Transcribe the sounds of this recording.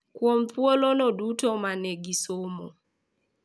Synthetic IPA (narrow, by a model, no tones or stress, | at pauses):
kwɔm̩θwɔlɔnɔdutɔmaneɡisomɔ̰